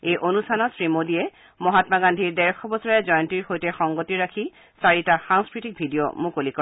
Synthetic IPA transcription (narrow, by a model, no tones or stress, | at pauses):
ejʔonustʰanɔsɹimodiɛ | mɔɦatmaɡandʱiɹdɛɹxʰɔbɔsɔɹaɛzɔjɔntiɹxojtɛxɔŋɡotiɹakʰi | saɹitaxaŋskɹitik̚bʱidijo̰mukolikɔ